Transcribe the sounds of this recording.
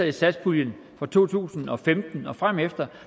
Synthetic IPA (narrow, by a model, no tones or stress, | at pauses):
ð̩ˠisæd̥sb̥ʰuljən | fɒ̽t͡sʰo̝̰ːt͡sʰṵːsn̩ɒ̽femd̥n̩ɒ̽fʁam̰efd̥ɐ